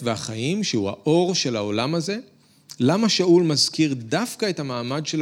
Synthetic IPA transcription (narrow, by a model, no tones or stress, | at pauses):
veaχajimʃehuhaʔo̞ʁʃe̞laolamaze̞ | lamaʃaulmazkiʁdafkae̞thamaːmadʃel